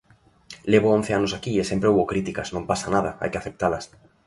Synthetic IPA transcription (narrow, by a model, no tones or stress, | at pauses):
leβʊõn̟θeanʊsakiesẽmpɾeowβokɾit̪ikɐsnõmpasanaðɐa̰jkɪaθep̚t̪alɐ̰s